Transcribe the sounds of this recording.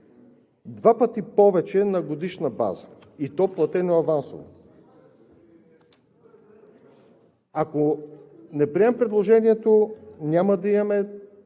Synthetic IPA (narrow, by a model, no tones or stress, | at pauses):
d̪vapɐt̪ipɔvɛt͡ʃɛnɐɡod̪iʃnɐba̰zəit̪ɔplˠɐt̪ɛnoɐvanso̰vo̰ | akonɛpɾiɛmpɾɛd̪lˠoʒɛniɛt̪onʲamɐd̪ɐimɐmɛ